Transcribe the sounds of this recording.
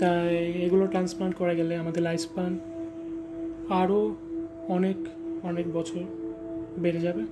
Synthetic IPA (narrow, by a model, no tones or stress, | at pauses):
t̪ajeɡuloʈɾanspaʈkɔɹaɡɛleamad̪eɾajspan | aɹo | ɔnekɔnek̚bɔt͡ɕʰɔɹ | beɾed͡ʑabe